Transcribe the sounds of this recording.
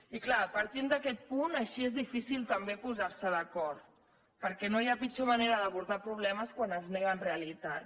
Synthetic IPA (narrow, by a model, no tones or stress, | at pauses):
iklapəɾt̪ind̪əkɛt̪̚punəʃiezðifisilˠt̪əmbepuzaɾsəðəkɔɾt̪ | pəɾkɛnojapit͡ʃoməneɾəðəβuɾðapɾuβ̞lɛməskwanəzneɣənreəlit̪at̪